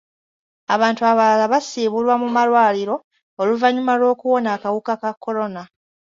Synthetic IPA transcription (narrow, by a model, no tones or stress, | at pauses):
aβaːntuaβalalaβasiːβulwamumalwaːliɾo̞ | oluvaɲumalo̞ːkuwo̞naːkawukakakʰːo̞lo̞na